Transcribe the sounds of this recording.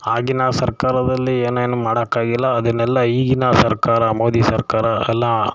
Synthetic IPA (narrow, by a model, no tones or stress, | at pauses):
aːɡinasɐɾkaːɾɐd̪ɐlːieːneːnumaːɽɐkːaːɡilːɐːd̪ɐnːɛlːɐiːɡinɐsɐɾkaːɾɐmoːd̪isɐɾkaːɾɐɛlːɐ